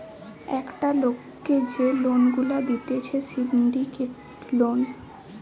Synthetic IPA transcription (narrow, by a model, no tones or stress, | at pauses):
ɛkʈalokːed͡ʑelonɡulad̪it̪et͡ɕʰesiɖɖikeʈ | lon